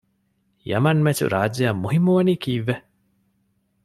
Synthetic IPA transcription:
jɐ̰mɐnmet͡ʃṵɾaːd͡ʒejɐmːuɦimːuʋɐnikiːʋːe

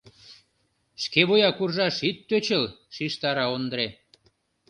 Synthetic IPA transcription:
ʃkeβojɑkurʒɑʃit̪ːøt͡ɕəlʃiʃt̪ɑɾɑond̪əɾe

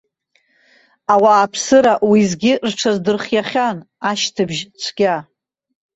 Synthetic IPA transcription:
awaːpʰsɨɾaʔwizɡʲɪrʈ͡ʂʷʰazdɨrχʲjaχʲan | aʃtʰɨbʒt͡ʃʷʰɡʲa

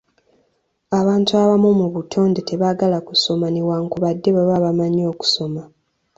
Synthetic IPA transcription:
aβaːntuaβamumuβutʰo̞ːndete̞βaɡalakuso̞manewaːŋkuβadːe̞βaβaβamaɲo̞ːku̥so̞ma

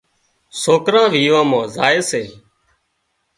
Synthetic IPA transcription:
soːkɾãːʋiːʋãːmãːzaːeːseː

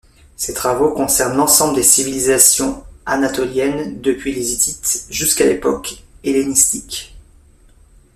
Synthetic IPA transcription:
set̪χavokɔ̃sɛʁnlɑ̃sɑ̃bləd̪esivilizasjɔ̃anat̪ɔljɛnd̪əpɥilezit̪it̪ʒyskalepɔkelenist̪ik

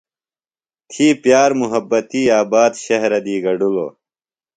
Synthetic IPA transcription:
t̪ʰiːpjaːɾmuɦɐbːɐt̪iːaːbaːd̪ɕɐɦɾɐd̪iːɡɐɖulo̰ː

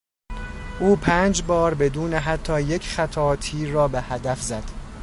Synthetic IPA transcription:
ʔuːpʰæːnd͡ʒbɒːɾbe̞d̪uːneɦæt̪ʰːɒːje̞cʰχæt̪ʰɒːt̪ʰiːɒːbehæd̪æfzæd̪̥

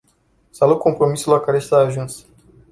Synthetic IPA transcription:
saluk̪̚ko̞mpɾo̞misulakaɾesaːʒuns

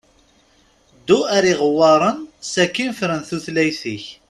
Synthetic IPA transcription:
d̪ːuæɾiʁəwːɑɾˤənsækːinfɾənθuθlæjθiç

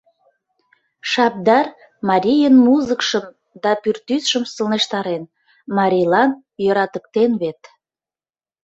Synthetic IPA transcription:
ʃɑp̚d̪ɑr | mɑɾʲijənmuzəkʃəm | d̪ɑpyrt̪ysʃəmsəlneʃt̪ɑɾen | mɑɾʲilɑn | jøɾɑt̪ək̚t̪enβet̪

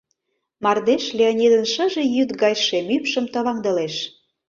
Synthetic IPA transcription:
mɑrd̪eʃlʲeonʲid̪ənʃə̆ʒe̽jyt̪ɡɑjʃemypʃəmt̪oβɑŋd̪ɤ̆leʃ

